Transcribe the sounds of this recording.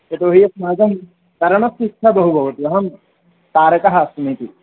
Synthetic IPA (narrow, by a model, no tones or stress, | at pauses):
et̪oːɦijɐsmaːd͡ʒɐm | t̪ɐɾɐmɐsitʰɐbɐɦubʱɐʋɐt̪ʋɐɦɐm | t̪aːɾɐkɐɦɐsmit̪i